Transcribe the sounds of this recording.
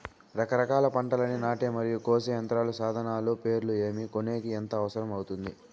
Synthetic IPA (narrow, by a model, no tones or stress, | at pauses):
ɾɐkɐɾɐkaːlɐpɐɳʈɐlɐninaːʈeːmɐɾijukoːsejɐnt̪ɾaːlusaːd̪ʱɐnaːloːpe̞ːɾulue̞ːmikone̞ːkiɐnt̪ɐːʋɐsɐɾɐmɐwut̪und̪i